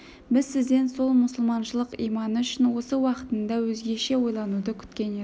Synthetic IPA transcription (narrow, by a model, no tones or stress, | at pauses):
bɪzsɪzd̪e̞nso̞lˠmʊsəlˠmɑnʃəlˠəqijmɑnʏʃɪnwo̞səwɑqət̪ənd̪ɑwɵzɡʲe̞ʃe̞wo̞jlˠɑnud̪əkʲʰʏ̥t̪kʲe̞ne